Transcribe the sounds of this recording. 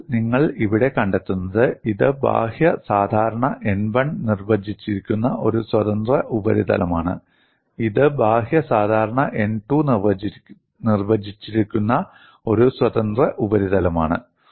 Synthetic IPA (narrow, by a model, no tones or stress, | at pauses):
niŋːɐɭiʋiɽe̞kɐɳɖet̪ːunːɐðɨiðɨba̰ːhjɐsaːd̪ʱaːɾɐɳɐʔe̞nbɐɳnirbɐd͡ʑʱit͡ɕːiɾikʲːunːɐʔo̞ɾuswɐt̪ɐnd̪rɐʔubɐɾid̪ɐ̰lɐmaːɳɨ̰ | iðɨbʱaːhjɐsaːd̪ʱaːɾɐɳɐʔe̞nʈuːnɐ | nirʋɐd͡ʑit͡ɕːiɾikʲːunːɐ | o̞ɾuswɐt̪ɐnd̪rɐʔubɐɾiðɐlɐma̰ːɳɨ̰